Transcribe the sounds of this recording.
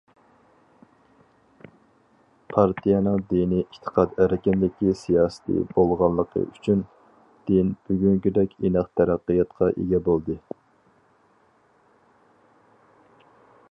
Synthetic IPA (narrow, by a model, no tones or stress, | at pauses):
pʰɑɾt̪ʰijɑnɨŋd̪iniʔiʃt̪ʰə̥qʰɑd̪æɾɪkʲimlɪkʲːisijɑːsɨ̥t̪ʰɨ̰bolˠʁɑnlːˠəqʰə̰ʔyt͡ʃʰyn | d̪̥ɪnb̥yɡʲyŋkʲyd̪ɛkʲenɨqt̪ʰæɾæqːijɑt̪qʰɑʔḛɡʲɛbolˠd̪ɨ